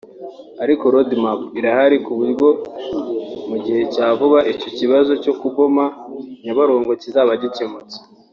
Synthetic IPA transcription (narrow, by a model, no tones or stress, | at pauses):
aɾiko̞ɾodmapiɾahaɾikuβuɾɡo̞ | muɟihe̞caːvuβaʔico̞ciβazo̞co̞kuβo̞maɲaβaɾoːŋɡo̞cizaβaɟicemut͡se̥